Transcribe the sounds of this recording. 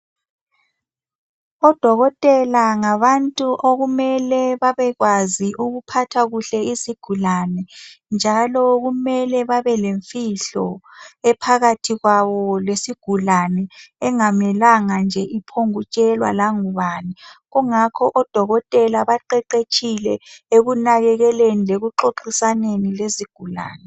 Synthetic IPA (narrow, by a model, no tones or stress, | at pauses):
ɔd̥ʱɔɣɔtʼɛlaŋaβantʼuʔoɣumɛlɛβaβɛɣwaziʔuɣupʰatʰaɣuɬɛisiɡ̥ʱulanɛnd͡ʒʱalɔɣumɛlɛβaβɛleɱfiɬɔɛpʰaɣatʰiɣwaβɔlesiɡ̥ʱulanɛːŋamɛlaŋand͡ʒʱɛʔipʰoŋut͡ʃʼɛlwa̰laŋuβaːniɣuŋakʰɔʔɔd̥ʱɔɣɔtʼɛlaβaǃɛǃet͡ʃʼʰilɛeɣunaɣɛɣɛlenileɣuǁoǃisanenileziɡ̥ʱula̰ːnɛ